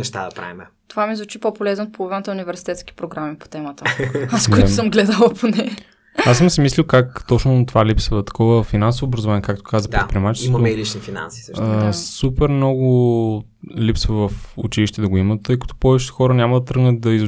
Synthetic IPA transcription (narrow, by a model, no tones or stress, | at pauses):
nɛʃt̪a̰d̪ɐpɾa̰vimɛ | t̪ovamizvut͡ʃipopolɛznot̪polˠovinət̪əunivɛɾsi̥t̪ɛt̪ski̥pɾoɡɾamipo̥t̪ɛmɐt̪əskoisəmɡlɛd̪əlˠɐpʰonɛ | asəmsɛmislilˠkakt̪ɔt͡ʃnʊt̪ovalipsvɐt̪ɐ̥kɔvəfinansovoːbɾɐzovaɲʲijɛkakt̪o̥kazəp̪ɾtpɾiɛmat͡ʃɛsimɐɛilit͡ʃnifina̰nsiːsəʃsupɛɾmnɔɡʊ | lipsvəvɐfṵt͡ʃiliʃit̪ɛd̪ɐɡʊimət̪ːəjkɐ̥t̪ɔ̥pɔvɛt͡ʃɛ̥t̪ɛ̥xɔɾənʲamɐd̪ɐt̪ɾɤɡnət̪̚d̪ɐiz